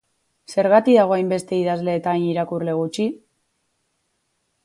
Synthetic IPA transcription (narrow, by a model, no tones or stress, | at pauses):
se̞ɾɣat̪iðaɣ̞o̞ajmbe̞st̪e̞iðazle̞ːt̪aːjɲiɾakurle̞ɣ̞ut͡ʃi